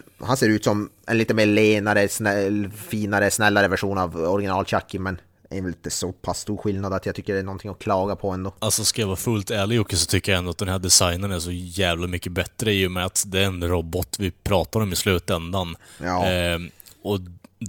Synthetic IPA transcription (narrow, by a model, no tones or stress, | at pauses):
hanseːɾʉ̟ːt̪sɔmʔɛ̰nliːt̪əmeːɭeːnaɾəsnɛfiːnaɾəsnɛlːaɾəvæʂuːnavɔɾɪɡɪnɑːlɕakːɪmɛn | ɛ̰ɾvɛlɪnt̪ːəsɔpʰasːt̪uːɾɧɪlnad̪at̪jaɡt̪ʏkːəɖɛːnɔnt̪ʰɪŋːɔkʰlɑːɡapʰɔɛnd̪ɔalsɔskajavɑːfɵlt̪æːɭɪɔkːəsɔt̪ʰʏkːəjaɛnd̪ʊat̪̚d̪ɛnhæɖɛsajnənæʂɔjæːvlamʏkːəbɛt̪ːɾəɪjːɔmɛat̪d̪ɛæɾɛnɾɔbɔt̪ːvɪpʰɾɑːt̪aɾɔmɪslʉ̟ːt̪ɛnd̪anɑː | ɔ